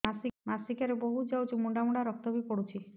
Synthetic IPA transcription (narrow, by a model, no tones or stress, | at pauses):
asimasikaɾebɔɦud͡ʒawt͡ʃʰimuɳɖamuɳɖaɾɔk̚t̪ɔbʱipɔɽut͡ʃʰi